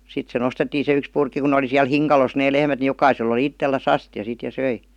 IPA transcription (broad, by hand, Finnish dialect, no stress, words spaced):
sit se nostetːiːn se yks purkːi ku ne oli siæl hiŋkɑlos neː lehmæt ni jokɑisel oli itːelːæs ɑstjɑ sit jɑ søi